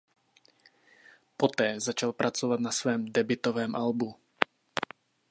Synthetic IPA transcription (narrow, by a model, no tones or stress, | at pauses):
pɔt̪ɛːzat͡ʃalpɾʔat͡sɔvad̪nasʋɛːmd̪ɛbit̪ɔʋɛːmʔalbu